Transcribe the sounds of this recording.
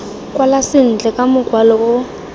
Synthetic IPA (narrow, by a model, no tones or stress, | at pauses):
kʼwalasɪn̩d͡ɮʱɛkʼamʊɡ̥ʱwalɔɔ